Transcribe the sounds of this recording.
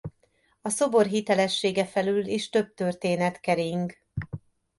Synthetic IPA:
ɒso̞bo̞rɦit̪ɛlɛʃːeːɡɛfɛlyliʃt̪ø̞b̚t̪ørt̪eːnɛt̪kɛɾiŋk

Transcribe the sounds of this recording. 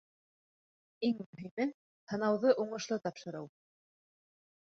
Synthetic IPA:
iŋmɵ̆ɦimɘ | hɤ̆nɑwðɤʔuɴɤ̆ʃlˠɤt̪ɑpʃɤ̆ɾɤw

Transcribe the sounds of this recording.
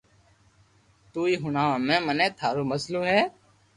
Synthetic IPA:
t̪uːiːɦʊnaːãːmẽːmənẽːt̪ʰaːɾoːməsloːɦɛː

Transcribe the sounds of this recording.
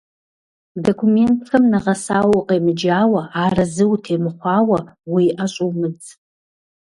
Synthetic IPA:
dokʷʰumentʰkɐmnɨʁɐsaːwʊqʼeːmɨd͡ʒaːwɐaːrɐzɨwtʰeːmɨχʷɑːwɐwiʔaɕʼowmɨd͡z

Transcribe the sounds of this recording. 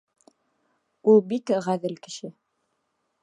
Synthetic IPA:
ulˠbikʁæðɘlkɘ̥̆ʃɘ

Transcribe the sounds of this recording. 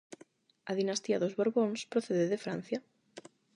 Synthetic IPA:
ɐðinast̪iɐðozβoɾβoŋspɾoθeðeðefɾan̟θjɐ

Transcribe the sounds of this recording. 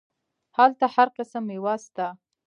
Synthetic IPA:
halt̪ahaɾqəsamɪwast̪a

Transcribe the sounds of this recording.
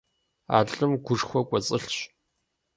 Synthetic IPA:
a̰ːɮʼɨmɡʷʊʂxʷɔkʷʼɔt͡sʼɨɬɕ

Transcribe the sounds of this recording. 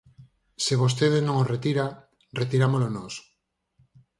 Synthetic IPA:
seβ̞os̬t̪eðeznõŋosret̪iɾa | ret̪iɾamolonos

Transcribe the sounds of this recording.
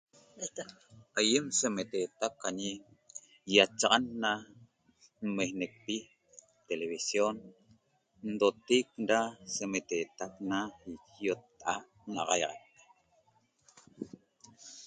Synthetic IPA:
ajemsemet̪et̪akaɲi | jat͡ʃɑʁɑnːa | nmehnek̚pi | t̪eleβisjon | n̩d̪ot̪ik̚dasemet̪et̪ak̚naikjot̪ːaʔa | nɑ̰ʁɑjʁɑ̰k̚

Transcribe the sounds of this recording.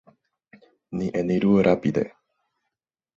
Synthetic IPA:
nĩʔẽnĩɾuoɾʔapid̪ḛ

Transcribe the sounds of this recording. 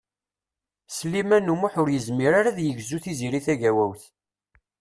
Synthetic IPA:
slimænumuħʊɾjəzmiɾaɾaðjəʝzuθiziɾiθæʝæwæwθ

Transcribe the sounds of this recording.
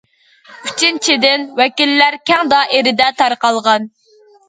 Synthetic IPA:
yt͡ʃint͡ʃʰid̪ɪnwɛkʲilːæɾkʲɛŋd̪ɑʔeɾɪd̪ɛt̪ʰɑɾqɑlˠʁɑn

